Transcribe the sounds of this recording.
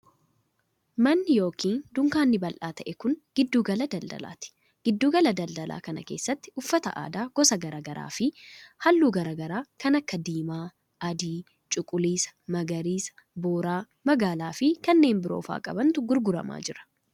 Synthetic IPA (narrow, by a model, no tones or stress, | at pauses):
mɐnːɪjo̞ːkiːnd̪ʊŋkaːnːɪbɐlʔaːt̪ɐʔɛkʊŋɡ̥ɪd̪ːuːɡɐlɐd̪ɐld̪ɐ̰la̰ːt̪ɪ̥ | ɡ̥ɪd̪ːuːɡɐlɐd̪ɐld̪ɐlʔa̰ːkɐnɐ̰keːsːɐt̪ːɪʔʊfːɐt̪ɐ̰ʔa̰ːd̪aːɡ̥ɔsɐɡɐɾɐɡɐɾʔa̰ːfɪhɐlːuːɡɐɾɐɡɐɾaːkɐnɐkːɐd̪iːmaː | ɐd̪iː | t͡ʃʼʊkʼʊliːsɐ̥mɐɡɐɾiːsɐ̥boːɾaː | mɐɡaːlaːfɪkɐnːe̞ːmbɪɾo̞̰ːfa̰ːkʼɐbɐnt̪ʊɡʊɾɡʊɾɐ̰ma̰ːd͡ʒɪɾɐ̥